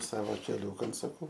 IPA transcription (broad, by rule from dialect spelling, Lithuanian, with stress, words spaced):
ˈsɑːʋoː kʲɛˈlʲuːkɐn sʊˈkʊ